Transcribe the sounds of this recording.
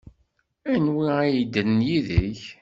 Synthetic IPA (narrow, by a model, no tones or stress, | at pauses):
ænwiajid̪ənnjiðəç